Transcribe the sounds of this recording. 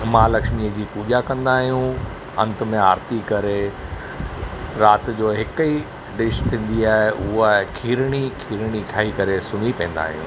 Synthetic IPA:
mãːlɐkʃmiəd͡ʑiːpuːd͡ʑakɐ̃nd̪aːɦijũ | ɐ̃nt̪ə̆mẽaːɾt̪ikɐɾe | ɾaːt̪d͡ʑoːɦɪki | ɖɪʃt̪ʰĩːn̆d̪iaːɦeʔʊɦakʰiːɾɽ̃ikʰiːɾɽ̃ikʰaːikɐɾesʊnipɐ̃ːn̆d̪a̰ːɦijṵ̃ː

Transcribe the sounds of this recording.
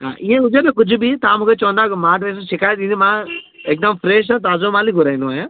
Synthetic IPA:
ɦã̰ːʔɪẽʊd͡ʒeɾẽkʊd͡ʒʱbit̪amʊkʰet͡ʃɔ̃ːnd̪akmãːʈẽːs̬ʃɪkaːjt̪ĩnd̪imãː | eːk̚d̪əmfʰɾeːʃ̬ãːt̪̬aːzõmãːliɡʊɾaːinõaːjã

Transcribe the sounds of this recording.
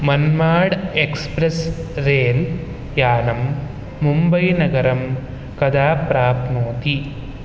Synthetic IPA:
mɐnmaːɽekspɾɐsɾeːl | jaːnɐmː | umbɐjnɐɡɐɾɐm | kɐd̪aːpɾaːpmoːt̪i

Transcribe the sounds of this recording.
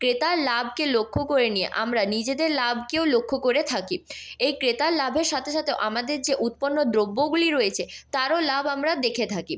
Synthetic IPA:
kɾet̪aɾlabʱkelokʰːokoɾeniḛʔa̰mɾanid͡ʑed̪eɾlab̚ʱkeolokʰːokoɾet̪ʰakiejkɾet̪aɾlabʱeɾʃat̪ʰeʃat̪ʰeoʔamad̪eɾd͡ʑeʔut̪̚ponːod̪ɾobːoɡuliɾojet͡ɕʰet̪aɾolabamɾad̪ekʰet̪ʰaki

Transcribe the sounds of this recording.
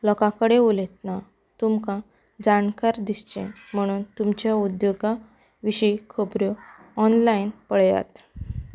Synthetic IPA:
lɔkãkəɽeolet̪na | t̪umkã | d͡zankaɾd̪ist͡ɕḛ̃m̤əɽ̃uːnt̪umt͡ɕjaud̪joɡa | ʋiɕəikʰəbɾoː | nlajnpəɭja̰t̪

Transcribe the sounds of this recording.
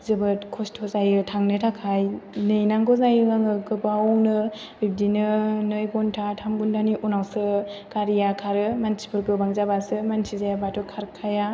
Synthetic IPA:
zɯbɯtkʰɔstʰɔzajɯtʰaŋnɯtʰakʰajnɯjnaŋɡɔzajɯŋaŋɯkɯbaɔnɯ | bib̚dinɯnɯjbɔntʰatʰaŋɡundaniʔunawsɯkaɾijakʰaɾɯmansʰi̥pʰɯɾɡɯbaŋzabasɯmansʰizajabatʰɔkʰaɾkʰaja

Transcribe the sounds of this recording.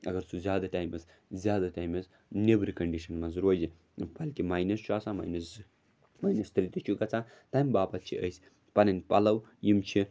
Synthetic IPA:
ɐɡɐɾt͡sʰuzʲjaːd̪ɐʈaːjmɐs | zʲjaːd̪ɐʈaːjmɐs | nebɾikɐɳɖiʃɐnmɐzɾoːd͡ʒi | bɐlkʲimaːjnɐst͡ʃʰuaːsãːma̰ːjnɐs | maːjnɐst̪ɾit̪ɐt͡ʃʰuɡɐt͡sʰãː | t̪ɐjmʲbaːpɐt̪̚t͡ʃʰḭʔə̰jsʲ | pɐnɐnʲpɐlɐwjimt͡ʃʰi

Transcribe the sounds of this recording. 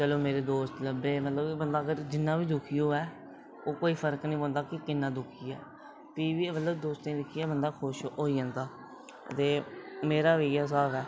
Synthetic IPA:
t͡ʃəloːmeːɾeːd̪oːst̪ləbeːmət̪ləbbənd̪aːɡəɾd͡ʒɪnːãːbiːd̪ʊkʰijõːɛː | oːkoːiːpʰəɾəknĩːbə̃ːnd̪aːkɪkɪnːãːd̪ʊkʰiːɛː | piːʋiːmət̪ləbd̪oːst̪ẽːd̪ɪkʰiːjaːbənd̪aːkʰʊʃɦoːiːãːnd̪aː | ə̰t̪eːmeːɾaːʋejaːs̬aːbɛː

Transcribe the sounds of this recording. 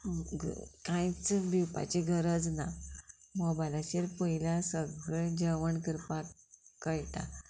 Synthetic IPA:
kãjt͡sbʱiwpa̰t͡ɕiɡʱəɾəd͡znamɔbajlaɕeɾpəɦilasəɡɭed͡ʑəʋəɳkəɾpakəjt̪a

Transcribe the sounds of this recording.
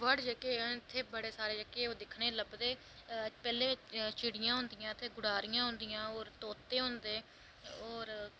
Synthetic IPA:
ʋəɽd͡ʒəkeːãːɪt̪ʰːeːbəɽeːsaːɾeːd͡ʒəkeːoːd̪ɪkʰɽeːləbd̪eː | pɛːleːɪt͡ʃt͡ʃʰɪɽɪjãːɦʊ̃nd̪ɪjãːət̪ʰːeːɡʊɽaːɾijãːɦʊ̃nd̪ɪjãːoːɾt̪oːt̪ːeːɦʊ̃nd̪eː | oːɾ

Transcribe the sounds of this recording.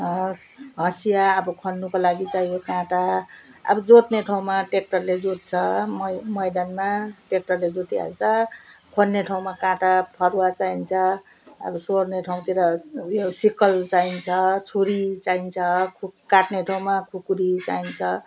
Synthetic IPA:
ɦʌsijaːbʌkʰonːukolaɡit͡sajjokãʈaʌ̰bʌd͡zot̪neʈʰaw̃maʈek̚ʈʌrled͡zot̪̚t͡sʰʌmmʌjd̪anmaʈek̚ʈʌrled͡zot̪iɦa̰lt͡sʰʌkʰonːeʈʰaw̃makãʈapʰʌɾwat͡saint͡sʰʌ̰ː | bʌsorneʈʰaw̃t̪iɾʌjosikʌlt͡saint͡sʰʌt͡sʰuɾit͡saint͡sʰʌkʰukaʈneʈʰaw̃makʰukuɾit͡sa̰int͡sʰʌ

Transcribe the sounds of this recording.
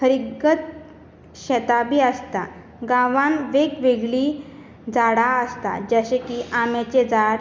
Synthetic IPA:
kʰəɾiɡət̪ | ɕɛt̪abiəst̪a | ɡãʋãnʋekʋeɡɭi | d͡zaɽaəst̪a̰d͡ʑəɕekiʔamet͡ɕed͡zaɽ

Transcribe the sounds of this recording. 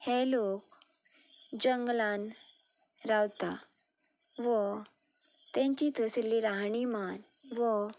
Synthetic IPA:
hɛ̃lok | d͡ʑəŋɡlãn | ɾawt̪a | ʋɔ | t̪ɛ̃ɲt͡ɕit̪ʰəslːiɾaɦɳimanʋɔ

